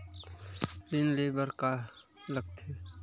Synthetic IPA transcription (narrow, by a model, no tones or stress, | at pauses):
lɪnleːbəɾka | ləɡ̚t̪ʰe